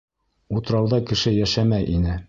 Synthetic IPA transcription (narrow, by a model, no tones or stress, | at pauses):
ut̪ɤ̆ɾɑwðɑkɘ̆ʃɘjæʃæmæjʔinɘ